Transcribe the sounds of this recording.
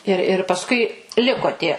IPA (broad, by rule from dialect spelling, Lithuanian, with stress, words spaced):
ɪr ɪr pɐsˈkʊɪ ˈlʲɪkoː ˈtʲiɛ